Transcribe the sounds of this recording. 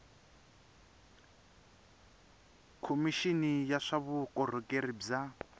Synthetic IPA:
kʰomiʃinijaʂaβukʼɔr̤ɔkʼeɾib͡ʐa

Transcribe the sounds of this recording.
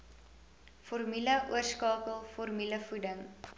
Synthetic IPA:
fɔrmyləʔuərskɑːkəlˠfɔrmyləfudəŋ

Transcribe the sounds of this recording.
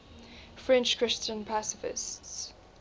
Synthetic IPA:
fɹɛ̃nt͡ʃkʰɹ̥ɪst͡ʃə̃npʰasɪfɪ̰sts

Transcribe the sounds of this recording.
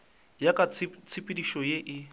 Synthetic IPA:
jakʼat͡st͡sʰɪpʼɪdiʃɔjeʔɪ

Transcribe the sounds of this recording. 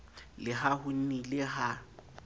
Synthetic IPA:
lɪɦahʊn̩nilɪɦa

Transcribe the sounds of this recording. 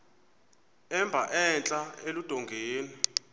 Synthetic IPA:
ɛmbʱa̰ʔɛnt͡ɬʼaelud̥ʱɔŋɡʱeːni

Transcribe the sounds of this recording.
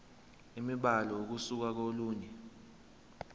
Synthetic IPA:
imiɓalɔok̬usuk̬ak̬oluːɲɛ

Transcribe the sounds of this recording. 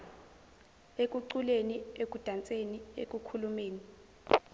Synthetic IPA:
ek̬ʼuǀuleniek̬ʼud̥ʱant͡sʼeniḛkʼukʰulumeːni

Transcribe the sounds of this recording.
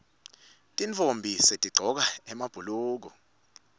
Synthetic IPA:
tʼiɱt͡fombʱisetʼiɡ͡ǀʱɔk̬aɛmab̥ʱuluːk̬ɔ

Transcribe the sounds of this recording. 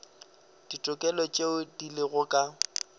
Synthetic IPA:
d̥itʼʊkʼɛlɔt͡ʃʼeʊdilɪɣʊkʼa

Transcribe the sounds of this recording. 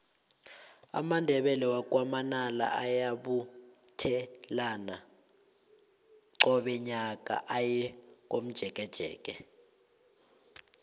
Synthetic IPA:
a̰mandʱɛɓɛlɛwakʼwamanala̰ʔajaɓu | tʰɛlana | ǀɔɓɛɲak̬ʼa̰ʔajɛk̬ʼom̩d̥ʒ̥ʱɛk̬ʼɛd̥ʒ̥ʱɛ̰ːk̬ʼɛ

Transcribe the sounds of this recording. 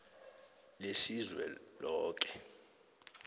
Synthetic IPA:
lesizwɛ̰lɔːk̬ʼɛ̥

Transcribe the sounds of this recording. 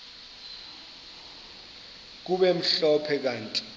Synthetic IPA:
k̬uɓɛm̩ɬɔpʰɛk̬antʼ

